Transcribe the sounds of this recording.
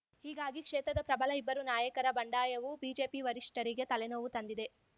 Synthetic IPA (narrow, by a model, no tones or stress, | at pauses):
hiːɡaːɡikʂɛːt̪ɾɐd̪ɐpɾɐbɐlɐibːɐɾunaːjɐkɐɾɐbɐɳɖaːjɐʋubiːd͡ʒe̞ːpiʋɐɾiʂʈɐɾiɡe̞t̪ɐlenoːʋut̪ɐnd̪id̪e̞